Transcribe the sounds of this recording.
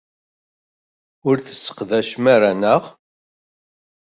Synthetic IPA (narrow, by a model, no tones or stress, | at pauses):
ʊɾθə̥sːə̥qðæʃmæɾænəʁ